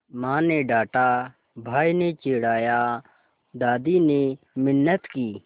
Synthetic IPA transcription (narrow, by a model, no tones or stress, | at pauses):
mãːneːɖaːʈaː | bʱaːinet͡ʃeːɽaːjaː | d̪aːd̪iːne | mɪnːət̪kiː